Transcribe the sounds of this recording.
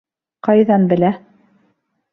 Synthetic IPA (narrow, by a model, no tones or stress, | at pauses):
qɑjðɑnbɘ̆læ